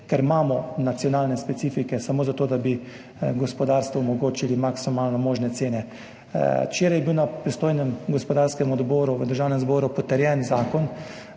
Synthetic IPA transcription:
kɛɾmaːmɔnat̪sjɔnaːlnɛspɛt̪siːfikɛsamoːzat̪oːd̪abi | ɡɔspɔd̪aːɾst̪ʋɔɔmɔɡoːt͡ʃilimaksimalnɔmoːʒnɛt̪seːnɛ | t͡ʃeːɾajɛbiwnapɾist̪oːjnɛmɡɔspɔd̪aɾskɛmɔd̪bɔːɾuʋəd̪əɾʒaːwnɛmzboːɾupɔt̪ɛɾjɛnzaːkɔn

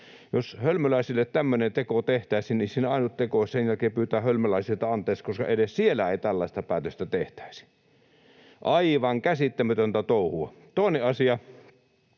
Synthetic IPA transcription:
joshølmølæˑisilːˑet̪t̪æmːønet̪ekot̪eht̪æˑisinnisiːneɑˑinut̪t̪ekoˑssenjælkeːpyːt̪æːhølmølæˑisilt̪ɑɑnt̪ˑeˑːkskoskɑ̰enessielːæeˑit̪ælːɑˑest̪ɑpæːt̪øst̪æt̪eht̪æ̥ˑisi̥ | ʔɑiʋɑŋkæsit̪ːæmæt̪ønt̪æt̪oˑuhuɑ̰ | t̪oˑeneʔɑsiɑ

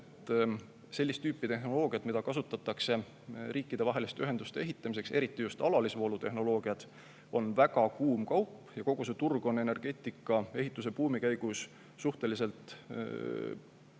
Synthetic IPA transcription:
et̪ː | se̞lʲːist̪yːpːˑit̪e̞ɦno̞lo̞ːɡ̥iɑt̪mid̪ɑkɑs̬ut̪ːˑɑt̪ːˑɑkse̞ | rʔiːkːˑid̪̥e̞vɑɦe̞list̪eyɦe̞nd̪ust̪e̞e̞ɦit̪ːˑɑmis̬e̞kse̞ɾit̪ːijust̪ɑlɑlisvo̞ːlut̪e̞ɦno̞lo̞ːɡ̥iɑd̪̥ | o̞nvæɡɑkuːmkɑwpːˑjɑko̞ɡ̥use̞t̪urɡ̥o̞nːene̞rɡ̥e̞ːt̪ːˑikːˑɑe̞ɦit̪ːˑus̬e̞puːmikæjɡ̥usː | uht̪e̞lise̞lt̪ˑ

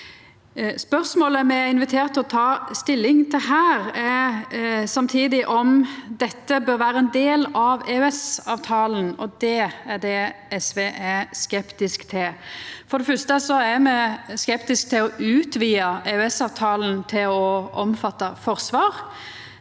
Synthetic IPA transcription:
spœɾsmoːləmɛɪnʋɪt̪ʰeːɾt̪ːɔt̪ʰɑːst̪ɪlːɪŋt̪ʰɪlɦæːɾɛ | sɑmt̪ʰiːd̪ɪʔɔmd̪ɛt̪ːəbøːɾʋæːɾəɛnd̪eːlɑʋeːʉɛsɑːʋt̪ʰɑːln̩ɔd̪ɛæd̪ɛɛsʋeːʔæskɛpt̪ɪskt̪ʰɪfɔɾd̪ɛfœst̪əsɔæɾmɛskɛpt̪ɪsk̚t̪ʰɪlɔʉːt̪ʋiːɑeʉɛsɑːʋt̪ʰɑːln̩t̪ʰɪlɔɔmfɑt̪ːɑfɔɾsʋɑːɾ

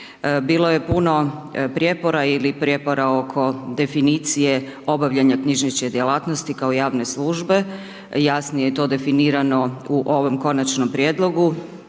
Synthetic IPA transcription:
biːlˠoje̞puno̞pɾjepo̞ɾailipɾjepo̞ɾao̞kʰo̞d̪e̞finit̪sije̞o̞baʋʎaɲakɲiʒnit͡ɕked̪ʲjelaːt̪nost̪ikaojaːʋne̞sluːʒbe̞ | jasnijet̪o̞ːd̪e̞finiːɾano̞uʔo̞ʋo̞mko̞nat͡ʃno̞mpɾijeːd̪lˠo̞ɡu

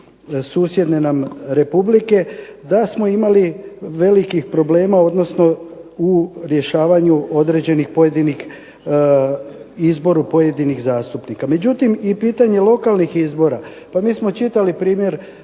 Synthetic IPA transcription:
suːsje̞d̪nenamɾe̞publike̞d̪asmo̞imaliʋe̞likixpɾo̞ble̞ːmao̞d̪no̞sno̞uɾje̞ʃaːʋaɲuo̞d̪ɾe̞d͡ʑe̞nixpo̞je̞d̪inix | izbo̞ɾupo̞je̞d̪iniɣzaːst̪upnikame̞d͡ʑut̪imipiːt̪aɲe̞lˠo̞kalˠnixizbo̞ɾa | pamiːsmo̞t͡ʃit̪alipɾiːmje̞ɾ

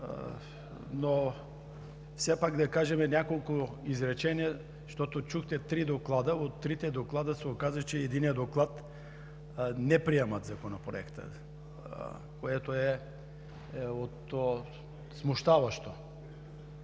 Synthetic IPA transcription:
no | fsɛpakd̪akaʒɛmɛnʲakolˠku | izɾɛt͡ʃɛnija | ʃt̪ɔt̪ot͡ʃuxt̪ɛt̪ɾid̪oklˠad̪aot̪ːɾit̪ɛd̪oklˠad̪əsɛokazɐt͡ʃɛːd̪inijəd̪oklˠat̪ | nɛpɾiɛmat̪zakonapɾo̰ɛ̰kt̪ə̰ | koɛt̪oɛ | ot̪o | smuʃt̪avaʃt̪o

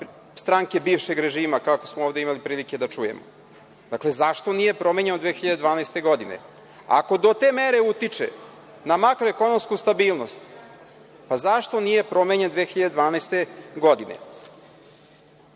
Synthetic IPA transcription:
st̪ɾaŋke̞biːʋʃe̞ɡɾeʒiːmakako̞smooːvd̪e̞imalipɾiːlike̞d̪at͡ʂuje̞̰mo̰ | d̪akle̞zaʃt̪o̞nije̞pɾo̞meɲenod̪ʋeːxiʎad̪ed̪ʋaːnajst̪e̞ɡo̞d̪ine̞̰ | a̰ko̞d̪o̞t̪e̞meɾe̞ut̪it͡ʂḛ | namakɾoeko̞nomskust̪abiːlˠno̞st̪ | pazaʃt̪o̞nije̞pɾo̞meɲe̞nd̪ʋeːxiʎad̪ed̪ʋaːnajst̪e̞ɡo̞d̪inḛ

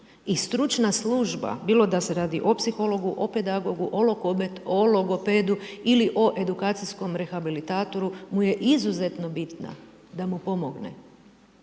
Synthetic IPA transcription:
ist̪ɾut͡ʃnasluʒba̰biːlˠod̪ase̞ɾaːd̪iʔo̞psixo̞lˠo̞ɡuʔope̞d̪aɡo̞ɡuʔolooloɡo̞ped̪uiliʔo̞ʔe̞d̪ukaːt̪sisko̞mɾe̞xabilit̪aːt̪o̞ɾumuje̞ʔizuze̞t̪no̞bit̪na̰ | d̪amupo̞moɡnḛ

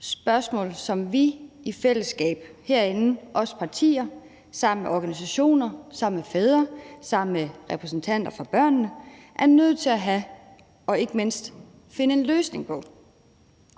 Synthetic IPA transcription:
sb̥ɶɐsmɔ̰̽ːlsɒ̽mʋiifel̰əsɡ̥ɛ̰ːb̥heɐ̰e̝nn̩ʔɒ̽spʰɑ̈t͡sʰḭːɐ | sɑ̈m̰n̩meʔɒɡ̥ænis̬æɕo̝̰ːnɐsɑ̈m̰mefeð̞ˠɐsɑ̈m̰n̩meʁɛpʰʁɛsn̩t͡sʰæn̰d̥ɐfʁɑ̈b̥ɶɐ̰nnəʔæɐnøð̞̰̩ˠt͡sʰe̝læɦæ | ɒ̽e̝ɡ̥əme̝n̰sd̥ | fe̝nəe̝nløːsne̝ŋpʰɒ̽

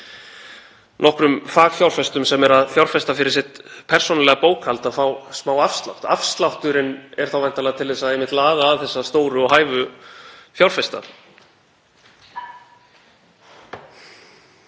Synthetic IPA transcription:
nʔɔhkɾʏmfaːɣfjawlfɛst̪ʏmsɛmɛɾaðfjawl̥fɛst̪afɪɾɪɾ̥sɪht̪pʰɛr̥sɔnlɛːɣapoːwkʰhalt̪afawsmaːwafst̪la̰wht̪afst̪lawht̪ʏɾɪnɛɾ̥θawvajn̥t̪alɛɣat̪ʰɪlðɛsaðejmɪht̪laːɣaːθɛsːast̪oːwɾʏɔɦaːjvʏ | fjawlfɛst̪a̰

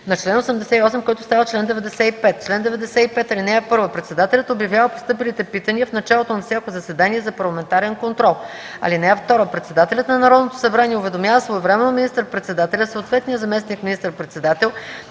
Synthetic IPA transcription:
nɐt͡ʃlɛnosɛmd̪ɛsɛiɔsɛmkɔjt̪ʊ̥st̪avət͡ʃlɛnd̪ɛvɛd̪ɛsɛipɛt̪̚t͡ʃlɛnd̪ɛvɛd̪ɛsɛipɛt̪ɐlinɛɛpɤɾvəpɾɛt̪sɛd̪at̪ɛlʲət̪objɐvjavəpo̥st̪ɤpilit̪ɛpit̪əniəfnɐt͡ʃalˠot̪onɐfsʲakozɐsɛd̪aniɛzɐpɐɾlˠɐmɛnt̪aɾɛnkont̪ɾɔlˠɐ̰linɛɛft̪ɔɾəpɾɛt̪sɛd̪at̪ɛlʲət̪nɐnɐɾɔd̪not̪o̥sɐbɾaniɛʊvɛd̪omʲjavəsvɔɛvɾɛmɛnomʲinist̪əɾpɾɛt̪sɛd̪at̪ɛlʲəsoːt̪vɛt̪nijəzɐmɛsnikminist̪əɾpɾɛt̪sɛd̪at̪ɛlˠ

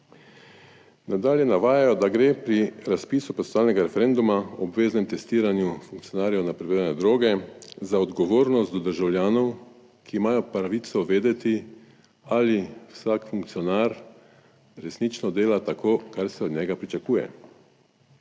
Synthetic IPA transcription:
nad̪aːljɛnaʋaːjajɔd̪aɡɾeːpɾiɾaspiːsupɔt̪naːlnɛɡaɾɛfɛɾeːnd̪umaɔbʋeːznɛmt̪ɛst̪iːɾanjufuŋkt̪ijɔnaːɾjɔwnapɾɛʋeːɾjanɛd̪ɾoːɡɛzaɔd̪ɡɔʋoːɾnɔst̪ɔd̪əɾʒawljaːnɔw | kʰiːmaːjɔpɾaʋit̪sɔʋeːd̪ɛt̪i | aliwsakfuŋk̚t̪sijɔnaːɾ | ɾɛsnit͡ʃnɔd̪eːlat̪akʰoːkaɾsɛɔd̪ɲɛɡapɾit͡ʃakuːjɛ̰

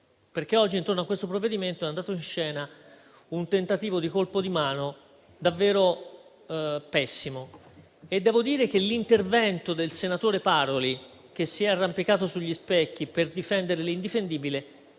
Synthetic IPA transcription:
perk̟eɔd͡ʒːint̪ornoakːwest̪opɾovːed̪iment̪oɛand̪aːt̪oinʃɛːna | unt̪ent̪at̪iːvod̪ikolpod̪imaːno | d̪avːeːɾo | pɛsːimo | ed̪ːɛːvod̪iːɾek̟elːint̪ervɛnt̪od̪elsenat̪oːɾepaɾoli | k̟esːiɛarːampikaːt̪osuʎːispɛkːiperd̪ifɛnd̪eɾelind̪ifend̪iːbile

